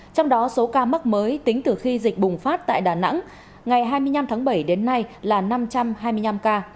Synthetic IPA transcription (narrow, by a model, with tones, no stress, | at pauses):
t͡ɕɔ˧wŋ͡mɗɔ˨˦so˨˦kaː˧ma˦˥k̚məː˨˦jt̪ï˨˦ŋ̟t̪ɨ˨˩xi˧zï˨˩k̟̚ɓʊ˨˩ŋ͡mfaː˦˥t̚t̪a̰ː˧˨jɗaː˨˩na̰˧˥ŋ | ŋa˨˩jɦaː˧jmɨ˧əjɲa˧mt̪ʰaː˨˦ŋɓə˧˩jɗe˨˦nːa˧jlaː˨˩na˧mt͡ɕa˧mɦaː˧jmɨ˧əjna˧mkaː˧